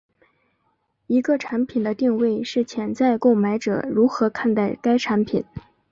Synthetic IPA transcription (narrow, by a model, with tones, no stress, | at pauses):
i˧˥ɡə˥˧ʈ͡ʂʰa˧˥npʰi˨˩nd̪ə˦t̪i˥˧ŋwe˥˩ɪʂɻ̩˥˩t͡ɕʰjɛ˧˥nt͡sa˥˧ɪko˥˩ʊma˧˥ɪʈ͡ʂɤ̰˨˩ɻu˧˥xɤ˧˥kʰa˥˧nt̪a˥˩ɪka˥ɪʈ͡ʂʰa˧˥npʰi˨˩˦n